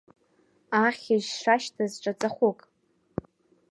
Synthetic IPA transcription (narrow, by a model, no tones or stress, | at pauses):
aχʲɪʒʂaʃtʰazʈ͡ʂʼat͡sʼaχʷʊkʼ